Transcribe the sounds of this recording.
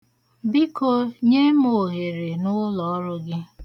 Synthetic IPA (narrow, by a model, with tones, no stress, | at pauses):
bi˦ko˨ɲe˦mo˨ɦe˨ɾe˨nʊ˦lɔ˨ɔ˦ɾʊ˦ɡɪ˦